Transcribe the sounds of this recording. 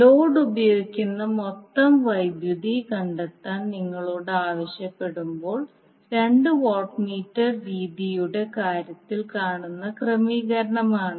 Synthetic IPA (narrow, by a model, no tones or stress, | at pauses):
lo̞ːɖubɐjoːɡikʲːunːɐmot̪ːɐmʋɐjbjud̪ikɐɳɖet̪ːaːnniŋːɐɭoːɽɨaːʋɐɕjɐpːe̞ɽumbo̞ːɭ | ɾe̞ɳɖɨʋoːʈmiːtːɐrʋiːd̪ijuɽe̞kaːɾjɐt̪ːilkaːɳunːɐkrɐmiːɣɐɾɐɳɐmaːɳɨ